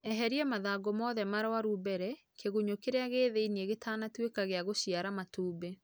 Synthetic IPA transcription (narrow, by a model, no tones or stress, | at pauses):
ɛɦɛɾiɛmaðaːɡomɔðɛmaɾwaɾubɛɾɛ | kʰeɣuɲokeɾeaɣeːðeinieɣetʰaːnatwekaɣeaɣoɕiaɾamatuːbe